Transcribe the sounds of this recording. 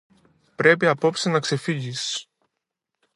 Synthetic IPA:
pɾe̞piɐpo̞psinɐkse̞fiʝis

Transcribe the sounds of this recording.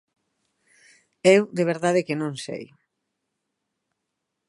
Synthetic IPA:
ewd̪eβ̞eɾðað̞ekenõŋsḛj

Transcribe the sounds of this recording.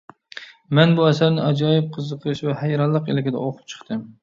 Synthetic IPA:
mɛnbuæsæɾnɪɑd͡ʒɑːjɪp̚qʰɨzːɨqʰɨɾɨʃvɛhæjɾɑnlːˠɨqḛlɪɡʲɪd̪ɛ̰oqʰʊ̥p̚t͡ʃʰɨ̥χt̪ʰɨm

